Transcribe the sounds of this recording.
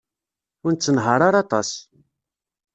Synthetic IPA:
ʊɾnt͡sːənɦəɾˤaɾˤɑt̪ˤɑ̰s

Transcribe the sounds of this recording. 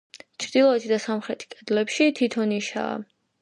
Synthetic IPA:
t͡ʃʰɾd̪ilˠɔɛt̪ʰid̪asamχɾɛt̪ʰi̥kʼɛd̪lɛpʃit̪ʰit̪ʰɔniʃa̰ː

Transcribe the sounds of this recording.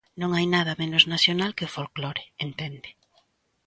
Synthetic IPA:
nõŋajnað̞ɐmenoznasjonalkeofolkloɾeent̪ɛnd̪ɪ̥

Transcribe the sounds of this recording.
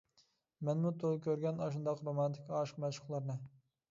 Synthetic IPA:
mɛnmut̪ʰolˠkʲøɾɡʲɛnɑʃund̪ɑqɾomɑnt̪ʰɪkʲɑːʃqmɛʃəχlˠɨɾnɨ

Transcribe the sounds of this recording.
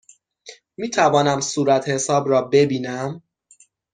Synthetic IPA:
miːt̪ʰævɒːnæmsuːɾæt̪ʰhe̞sɒːbɾɒːbe̞biːnæm

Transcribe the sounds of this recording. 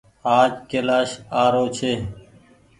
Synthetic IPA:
aːd͡ʒkeːlaːʃaːɾoːt͡ʃʰeː

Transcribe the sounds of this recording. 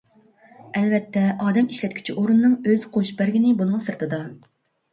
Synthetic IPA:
ɛlvɛt̪ʰːɛʔɑːd̪ɛmiʃlɛt̪̚ʲkʲʰy̥t͡ʃʰiʔoɾunːɨŋøz̥qʰoʃbæɾɡʲinɪbunɨŋsɨɾt̪ʰɨd̪ɑ

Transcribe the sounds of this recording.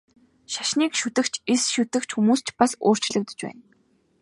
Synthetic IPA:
ʃḁʃniːkʃut̪ɘ̆kt͡ɕʰesʃut̪ɘ̆kt͡ɕxumuːst͡ɕpaso̰ːr̥t͡ɕɮɘ̆k̚t̪ɵ̆t͡ɕpæ̰ːn

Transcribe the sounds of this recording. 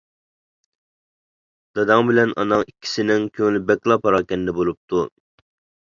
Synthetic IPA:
d̪̥ɑd̪ɑŋbɪlɛnʔɑ̰nɑŋikʲːi̥sɪnɪŋkʲʰøŋlɪbɛkʲlˠɑpʰɑɾɑːkʲɛnɪd̪ɛbolˠup̚t̪ʰu

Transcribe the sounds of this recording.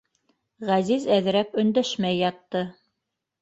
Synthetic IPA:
ʁæzizæðɘ̆ɾæpɵ̆nd̪æʃmæjːɑt̪ːɤ

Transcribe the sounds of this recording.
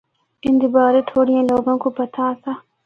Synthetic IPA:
ɪ̃nd̪ibaːɾet̪ʰoːɽijãloːɡõːkopɐt̪ʰasaː

